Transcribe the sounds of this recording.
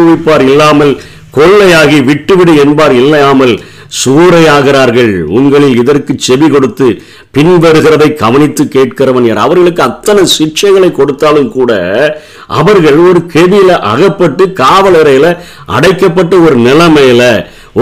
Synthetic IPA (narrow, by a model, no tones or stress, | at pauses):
ʊʋɪpːaːɾɪlːaːmɐl | kɔɭːɐjaːɣiʋɪʈːɯʋɪɽɯɛnbaːɾɪlːɐjaːmɐl | suːɾɐjaːɣɪɾaːɾɣɐɭʊŋɡɐɭɪlɪðɐrkɯt͡ʃːɛʋikɔɽɯt̪ːɯ | pɪnʋɐɾɯɣɪɾɐðɐɪkɐʋɐnɪt̪ːɯkːeːʈkɪɾɐʋɐnjaːɾɐ̰ʋɐɾɣɐɭɯkːɯɐt̪ːɐnɐsɪt͡ʃːɐɪɣɐɭɐɪkːɔɽɯt̪ːaːlɯmkuːɽɐ̰ | ʔɐ̰ʋɐɾɣɐɭɔɾɯkɛʋɪjɪlɐʔɐ̰ɣɐpːɐʈːɯkaːʋɐlɐɾɐjɪlɐ | ʔɐ̰ɽɐɪkːɐpːɐʈːɐɔɾɯnɪlɐmeːlɐ